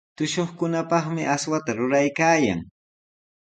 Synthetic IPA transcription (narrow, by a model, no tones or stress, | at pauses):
t̪ʊʃoχkʊnapɑχmɪʔaswat̪aɾʊɾajkaːja̰ŋ